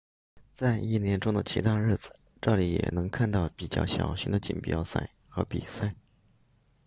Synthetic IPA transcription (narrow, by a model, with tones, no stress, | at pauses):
t͡sa˥˧ɪi˥˩njɛ˧˥nʈ͡ʂʊ˥ŋd̪ə˨t͡ɕʰḭ˧˥t̪ʰa˥˧ɻɻ̩˥˩d͡zɹ̩˨˩ | ʈ͡ʂɤ˥˩li˧˥jɛ̰˨˩nɤ˧˥ŋkʰa˥˧nt̪ɑ˥˩ʊpi˨˩t͡ɕjɑ̰˥˩ʊɕjɑ̰˨˩ʊɕi˧˥d̪ə˧t͡ɕḭ˨˩npjɑ̰˥ʊsa̰˥˩ɪxɤ˧˥pḭ˨˩sa˥˩ɪ